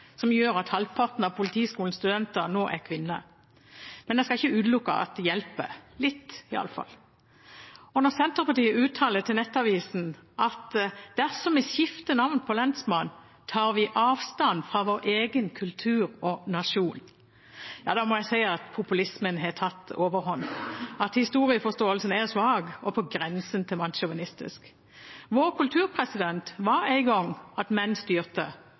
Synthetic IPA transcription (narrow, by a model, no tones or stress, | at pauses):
sɔmjøːɾɑt̪hɑlpʰɑʁt̪n̩ɑʋpʰʊlɪt̪ʰiːskuːln̩st̪ʉd̪ɛnt̪əɾnoːʔæ̰kʰʋɪnːə̰ | mɛnd̪ɛskɑɪçəʉːd̪lʊkːə̰ʔɑ̰t̪̚jɛlpə̰lɪt̪ːɪɑ̰ləfɑ̰lː | ɔnɔsɛnt̪əpɑt̪iːəʉːt̪ʰːɑːlət̪ʰɪlnɛt̪ːɑʋiːsn̩ʔɑt̪d̪̥æʁsɔmɪsjɪft̪ənɑʋnpʰɔlɛnsmɑn | t̪ʰɑːʁʋɪʔɑːʋst̪ɑnfʁɑʋoːɾʔeːɡənkʰʉlt̪ʰʉːɾɔnɑʃuːn | jɑ̰ːd̪ɑmɔjæɪsæɪɑt̪pʰʊpʉlɪsmənɦɛt̪ʰɑt̪ːoːʋəʁhɔnːɑt̪hɪst̪uːʁɪəfɔst̪oːəlsənæʁsʋɑːɡɔpʰɔɡɾɛnsənt̪ʰɪlmɑnʃʊʋɪnɪst̪ɪ̰sk | ʋoːɾkʰʉlt̪ʰʉːʁpʰʁɛsɪd̪ɛnt̪ʋɑɾæɪɡɔŋːɑt̪mɛnːst̪yːʁt̪ə